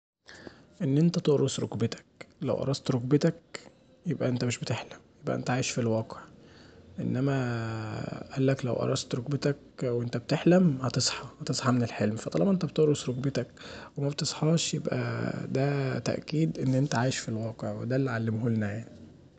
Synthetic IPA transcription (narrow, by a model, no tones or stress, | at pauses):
ʔenːʔent̪æt̪oʔɾosɾo̰kbet̪æ̥klæ̰wʔɑ̰ɾˤɑst̪ɾokbet̪æk̚ | jebʔæʔent̪æmeʃbet̪eħlæmjebʔæ̰ʔent̪æʕaːjeʃfilwɑːqeʕʔḛnːæmæ | ʔælːæklæ̰wʔɑ̰ɾˤɑst̪ɾˤokbet̪æk | wʔent̪æbet̪eħlæmhɑt̪esˤħɑhɑt̪esˤħɑmenelħelmfæt̪ˤɑlɑbmʔent̪æbet̪eʔɾosɾokbet̪ækwemæbt̪esˤħɑːʃjebʔæ̰d̪æt̪æ̰ʔkiːd̪ʔenːʔent̪æʕaːjeʃfilwɑːqeʕwed̪ælːʕalːemɦolnæjaʕni